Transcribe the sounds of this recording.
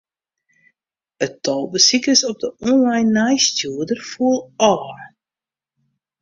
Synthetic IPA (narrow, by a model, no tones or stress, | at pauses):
ətɔlˠbəsikəsɔp̚dəʔɔnlajnːajstjuədərfuəlˠɔːr